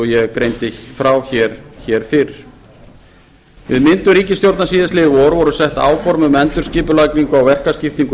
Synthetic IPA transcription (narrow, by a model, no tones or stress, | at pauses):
ɔjɛɣkɾejnt̪ɪfɾawçɛɾ̥çɛɾ̥fɪɾɾ̥ | vɪðmɪnt̪ʏɾiːcɪst̪jowɾt̪nasiːðɪslɪðɪvɔɾvɔɾʏsɛht̪a̰ːwfɔɾmʏmɛnt̪ʏ̥sciːpʏlaːkɾiŋkʏawvɛr̥kascɪft̪iŋk